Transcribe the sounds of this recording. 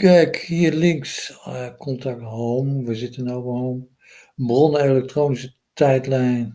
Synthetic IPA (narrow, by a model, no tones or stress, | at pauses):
kɛjkhiːəlɪŋkskʰɔntak̚tɦowmʋəzɪtənoːvəɦowm | brɔnəelɛk̚troːnisə | tɛjtlɛjn